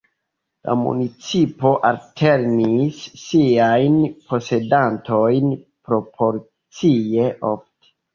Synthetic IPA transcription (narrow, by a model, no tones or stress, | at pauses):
la̰mṵnit͡sipo̞ʔaltʰe̞ɾnisːiajnpʰo̞se̞danto̞jnpɾo̞pʰo̞ɾ | t͡sie̞ʔo̞fte̥